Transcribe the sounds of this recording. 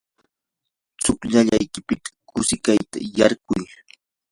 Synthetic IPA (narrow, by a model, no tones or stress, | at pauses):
t͡sʊkʎaʎajkɪpɪt̪ḁkʊsɪkajt̪a̰jaɾɢʊj